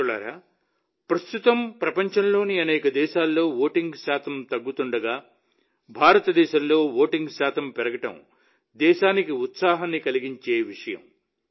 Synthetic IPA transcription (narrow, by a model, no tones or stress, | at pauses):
uɭa̰ːɾaː | pɾɐst̪ut̪ɐmpɾɐpɐɲt͡ʃɐnlo̞ːniɐnɛːkɐd̪ɛːʃaːlːo̞ːʋoːʈiŋɡʃaːt̪ʰɐmt̪ɐɡːut̪uɳɖɐɡaː | bʱaːɾɐt̪ɐd̪ɛːʃɐmlo̞ːʋoːʈiŋɡʃaːt̪ʰɐmpɛɾɐɡɐʈɐ̰m | d̪ɛːʃaːnikiut̪saːɦɐnːikɐliɡiɲt͡ʃeːʋiʂɐjɐ̰m